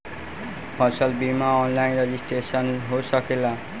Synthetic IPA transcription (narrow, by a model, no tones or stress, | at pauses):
pʰʌsʌlbimaɔnlajnred͡ʑisʈresʌnɦosʌkela